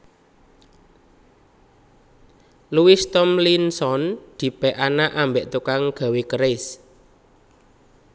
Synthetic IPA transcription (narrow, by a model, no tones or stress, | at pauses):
luwist̪ɔmlinsɔnd̪̥i̤pɛʔanaʔambeʔt̪ukaŋɡ̥a̤wekəɾɪs